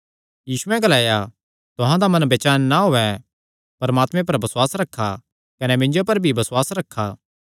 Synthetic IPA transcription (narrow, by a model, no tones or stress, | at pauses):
jiːsuɛ̃ɡɐlaːja | t̪ʊɦãd̪amɐ̃nbeːt͡ʃaːnːaɦoːɛ | pɐɾɐmaːt̪mẽp̬ɐɾbɐswaːsɾɐkʰːa | kɐnɛmɪ̃ɲd͡ʒopɐɾbʱibɐswaːsɾɐkʰːaː